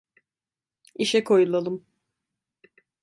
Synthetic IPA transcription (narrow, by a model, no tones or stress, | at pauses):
iʃɛkʰo̞julˠalˠɯm